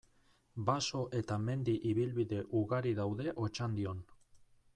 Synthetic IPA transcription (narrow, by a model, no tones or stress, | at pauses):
baso̞ʔe̞t̪ame̞nd̪iʔiβilβiðe̞ʔuɣaɾiðawðe̞ʔo̞t͡ʃand̪io̞n